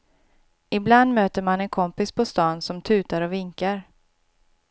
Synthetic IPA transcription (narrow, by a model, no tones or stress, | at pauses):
ɪbland̪møːt̪əɾmanɛnkʰɔmpɪspʰɔst̪ɑːnsɔmt̪ʰʉ̟ːt̪aɾɔvɪŋkaɾ